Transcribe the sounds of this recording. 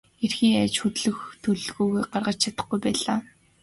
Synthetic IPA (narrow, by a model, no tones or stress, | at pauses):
erxiːŋæt͡ɕxɵt̪ɮɵ̆xt̪ʰɵɮ̆ɣuːɣujɢarʁə̆t͡ɕt͡ɕʰat̪ə̥̆χɡujpæːɮaː